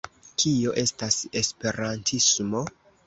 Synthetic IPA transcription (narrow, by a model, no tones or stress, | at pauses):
kʰio̞ʔe̞stasespe̞ɾantʰismo̞